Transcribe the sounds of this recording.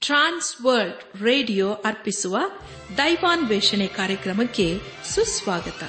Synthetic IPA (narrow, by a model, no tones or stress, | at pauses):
ʈɾaːnsʋɐɾɖ | ɾeːɖijoːʔɐɾpisuʋɐ | d̪ɐjʋaːnʋeːʂɐɳekaːɾjɐkɾɐmɐkːe | susʋaːɡɐt̪ɐ